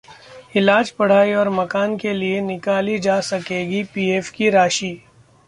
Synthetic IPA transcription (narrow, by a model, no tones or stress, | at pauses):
ɪlaːd͡ʒpɐɽ̤aːiɔːɾmɐkaːnkelienɪkaːlid͡ʒaːsɐkeːɡipiːeːfkiɾaːʃiː